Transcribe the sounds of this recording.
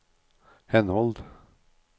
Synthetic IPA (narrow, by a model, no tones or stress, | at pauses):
hɛnhɔld̪